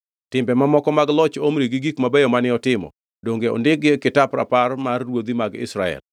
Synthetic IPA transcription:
tɪmbɛmamɔkɔmaɡlɔt͡ʃomɾiɡiɡikmabɛjɔmanɪɔtɪmɔ̰ | doŋɡeɔ̰ndɪɡekɪtapɾa̰parmarːwod̪imaɡɪ̰sɾaɛ̰l

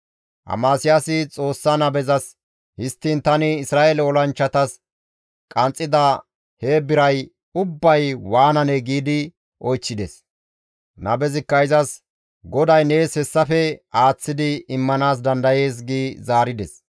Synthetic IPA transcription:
ʔɐ̰maːsɪjasɪt͡sʼo̞ːsːɐnɐbɛzɐs | hɪst̪ːint̪ɐnɪːsɾaːelɛɔlɐnt͡ʃːɐt̪ɐs | kʼɐnt͡sʼːɪd̪ɐ | heːbɪɾɐj | ʊbːɐjwaːnɐnɛɡiːd̪ɪ | ʔɔjt͡ʃːɪd̪ɛs | nɐbɛzɪkːɐjzɐs | ɡɔd̪ɐjne̞ːshɛsːɐfɛaːt͡sːɪd̪ɪɪmːɐnaːs̬d̪ɐnd̪ɐje̞ːs̬ɡiːzaːɾɪd̪ɛs

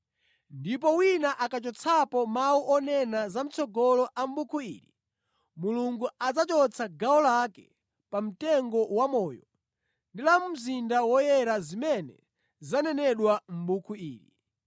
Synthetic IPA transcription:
ndip̬ɔwinaʔakat͡ʃɔt͡sʰapɔmawuʔɔnɛnazam̩t͡sʰɔɡɔlɔʔam̩bukʰuḭːɾi | muluŋɡuad͡zat͡ʃɔt͡sʰaɡaɔlakɛ | pam̩tɛŋɡɔwamɔːjɔ | ndilamum̩zindawɔjɛɾazimɛnɛ̰ | zanɛnɛɗwam̩bukʰuiːɾḭ

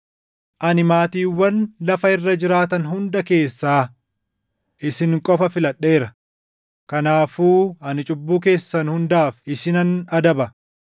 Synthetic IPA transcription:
ʔɐnɪmaːt̪iːwːɐnlɐfɐɪrːɐd͡ʒɪɾaːt̪ɐnɦʊnd̪ɐke̞ːsːaː | ʔɪsɪŋkʼɔfɐfɪlɐɗːe̞ːɾɐ | kɐnaːfuːɐnɪt͡ʃʼʊbːuːk̬e̞ːsːɐnhʊnd̪aːfɪsɪnɐnɐd̪ɐbɐ

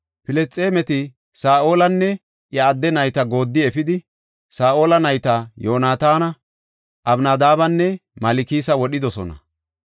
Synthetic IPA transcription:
pɪlɛst͡sʼːe̞ːmɛt̪ɪ | saːʔo̞ːlɐnːɛ | ʔjɐːd̪ːɛnɐjt̪ɐɡo̞ːd̪ːɪɛfɪd̪ɪ | saːʔo̞ːlɐnɐjt̪ɐjo̞ːnaːt̪aːnɐ | ʔɐbnaːd̪aːbɐnːɛmɐlɪkiːsɐwɔɗɪd̪ɔsɔ̰nɐ̰

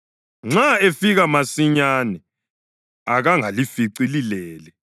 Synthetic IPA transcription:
ŋ͡ǁaefiɣamasiɲanɛ | aɣaŋalifiǀililɛːlɛ

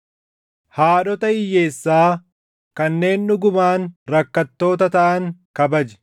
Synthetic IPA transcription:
haːɗɔt̪ɐɪjːe̞ːsːaː | kɐnːe̞ːnnʊɡʊmaːnɾɐkːɐt̪ːo̞ːt̪̬ɐt̪ɐʔɐŋkɐbɐd͡ʒɛ̥

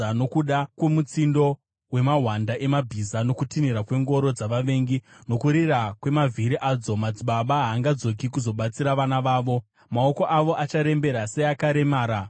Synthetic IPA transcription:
ano̞kuɗakwe̞mut͡sindo̞ | we̞maɦwandaʔe̞mabʱizano̞kutiniɾakwe̞ŋɡo̞ɾo̞d͡zaʋaʋe̞ːŋɡino̞kuɾirakwe̞mavʱiɾiʔaːd͡zo̞mad͡ziɓaɓaɦaːŋɡad͡zo̞k̬ikuzo̞ɓat͡siɾaʋanaʋaːʋo̞ | maoko̞ʔaʋo̞ʔat͡ʃaɾe̞mbe̞ɾaseakaɾe̞maːɾa

